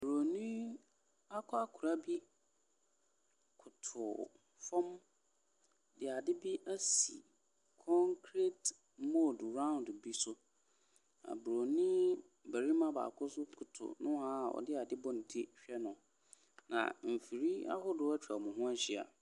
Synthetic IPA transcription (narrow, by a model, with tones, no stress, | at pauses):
bɾo˨nĩ˦ | a˦kʰɔ˦a˦kʰʊ˨ɾa˦bi˦ | kʰʊ˨tʰʊ˨ | fɔ̃˦m | dɪ˨a˨dɪ˦bi˦ʔæ˦sḭ˨ | kʰɔ̃˦ŋkʰɾe˦t | mo˦˨dɾã˦ʊ̃˨ndʊ˨bi˦sʊ˦ | nã̰˨bɾo˨nĩ˦ | bæ˨ɾi˦mã˦ba̰ː˨kʰʊ˦sʊ˦kʰʊ˨tʰʊ̰˨nʊ̃˦a˦˨ɔ̰˨dɪ˦a˨dɪ˦bɔ˦n˨di˦ɕᶣɛ˦nʊ̃˨ | nã̰˨m̩˨fi˨ɾi˦a̰˦hʊ˦dʊ˦a˦t͡ɕᶣa˨mʊ̃˨ɦʊ̃˦æ˦ɕi˦a̰˨